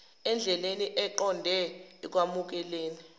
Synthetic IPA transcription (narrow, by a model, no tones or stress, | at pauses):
ɛnd͡ɮʱɛleniʔɛǃɔndʱɛːk̬wamuk̬ɛleːni